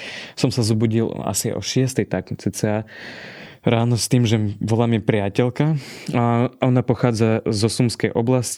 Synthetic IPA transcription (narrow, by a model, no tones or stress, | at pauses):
sɔmsazɔbuɟil̰a̰siaʔɔ̰ʃɪɛst̪ɛjt̪aknut͡sit͡sɛa | ɾaːnɔst̪iːmʒɛʋɔlamjɛpɾɪacɛlkaaʔɔnapɔxaːd͡zazɔsumskɛjʔɔblasc